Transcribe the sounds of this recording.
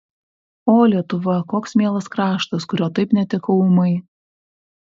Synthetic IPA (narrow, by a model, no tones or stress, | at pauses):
oːlʲiɛt̪ʊʋɐkoːksmʲeːlˠɐskɾɑːʃt̪ɐskʊɾʲoːt̪ɐɪpnʲɛt̪ʲɪkɐʊmɐɪ